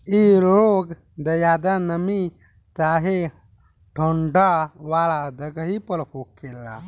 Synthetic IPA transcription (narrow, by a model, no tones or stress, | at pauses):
iɾoɡ | d̪əjad̪anəmi | t͡ʃaɦe | ʈʰoɳɖaʋaɭad̪əɡəɦipəɭpokːelːa̰